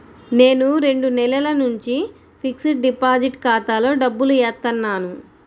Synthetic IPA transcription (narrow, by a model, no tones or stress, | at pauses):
ne̞ːnuɾe̞ɳɖunɛlɐlɐnuɲt͡ʃi | pʰiksiʈ̚ɖipaːd͡ʒiʈkaːt̪aːlo̞ːɖɐbːuluɛːt̪ːɐnːaːnu